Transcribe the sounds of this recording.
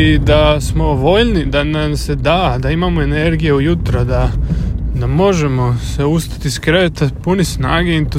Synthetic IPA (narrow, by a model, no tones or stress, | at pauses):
id̪asmo̞ʋo̞ʎnid̪anamse̞d̪aːd̪aimaːmoene̞ɾɡijeujut̪ɾad̪a | d̪amo̞ʒe̞mo̞seust̪ḁt̪iskɾeʋet̪apunisna̰ːɡeint̪u